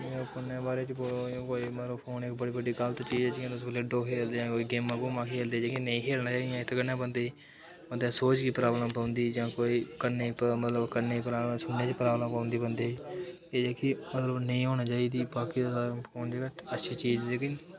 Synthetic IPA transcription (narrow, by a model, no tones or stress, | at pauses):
meːɾoːpʰʊnːẽːbaːɾeːt͡ʃboõkoːiːmeɾoːpʰoːnɪkbəɽiːbəɖiːɡəlt̪ːt͡ʃiːd͡ʒeːt͡ʃiãːt̪ʊsblɪɖoːkʰeːld̪eãːkoːiːɡeːmːãːɡoːmãːkʰeːld̪eːd͡ʒeːkinəĩːkʰeːlnaːt͡ʃaːiijãːɪt̪ʰːkənːẽːbənd̪eː | mənd̪ẽːsoːt͡ʃkiːpɾaːbləmpãːʊ̃nd̪iːd͡ʒãːkoːiːkəneːpmət̪ləbkəneːipɾaːsʊnːeːt͡ʃpɾaːbləmpaːnd̪iːbənd̪eː | eːd͡ʒeːkiːmət̪ləbnəĩːɦoːñaːt͡ʃaːiːd̪iːbaːkiːd̪sapʰoːnd͡ʒeɡəəʃʰiːt͡ʃiːd͡ʒd͡ʒekəniː